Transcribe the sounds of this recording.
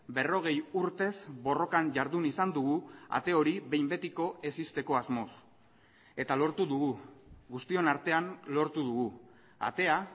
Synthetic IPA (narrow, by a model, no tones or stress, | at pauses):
be̞ro̞ɣ̞e̞juɾt̪e̞zbo̞ro̞kaɲʝaɾðunisand̪uɣ̞ua̰t̪e̞o̞ɾiβe̞jmbe̞t̪iko̞e̞sist̪e̞ko̞azmo̞s | e̞t̪alo̞ɾt̪uðuɣuɣust̪io̞naɾt̪e̞anlo̞ɾt̪uðuɣu | a̰t̪e̞a